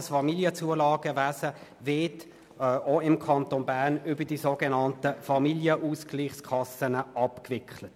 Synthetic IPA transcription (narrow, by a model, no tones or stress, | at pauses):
əsfɑmiljət͡suəlɑːɡəvæːsəvɪɐtː | ʔoɪmkʰɑntonbæʁnʏbədisoɡɛnɑntəfɑmiljəʔuːskliːχskʰɑsənəʔɑpkvɪkʰlət